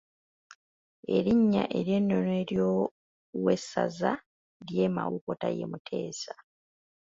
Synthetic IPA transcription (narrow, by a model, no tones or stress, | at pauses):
e̞ɾiɲːaʔe̞ɾje̞nːo̞noe̞ɾjo | wesːaza | ɾjemawukotajemutʰe̞ːsḁ